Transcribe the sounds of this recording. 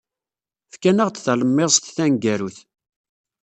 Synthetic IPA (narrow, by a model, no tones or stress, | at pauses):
fkænəʁt͡s̪θæləmːɪʁst̪θænɡæɾuθ